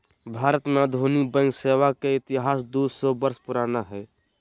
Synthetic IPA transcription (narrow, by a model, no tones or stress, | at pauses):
bʱaːɾət̪med̪ʱoːnibə̃ŋɡseːwakeɪt̪ɪɦaːsd̪uːsobəɾspʊɾaːnaɦɛː